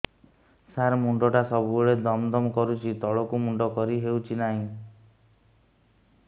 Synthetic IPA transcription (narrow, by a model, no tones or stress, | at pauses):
saɾmuɳɖɔʈasɔbuuuɭed̪ɔmd̪ɔmɔkɔɾut͡ʃʰit̪ɔɭɔkumuɳɖɔkɔɾiɦewt͡ʃʰinaɦĩ